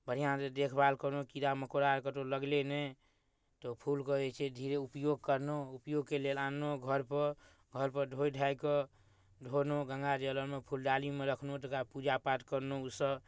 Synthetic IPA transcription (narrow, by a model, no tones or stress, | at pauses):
bʱəɾijãt̪ed̪ekʰbalkəɾnokid̪aməkoɾaɾkət̪oləɡlenɛ | t̪ɔpʰulkəɛt͡ʃʰɛd̪ʱiɾeupjoɡ̚kəɾnoupjoɡkelelanːoɡʱəɾpəɾ | ɡʱəɾpəɾɖʱojɖʱajkɔ | ɖʱonoɡə̃ŋɡad͡ʒələɾmepʰulɖalimeɾəkʰnot̪əkapud͡ʒapaʈkəɾnousəb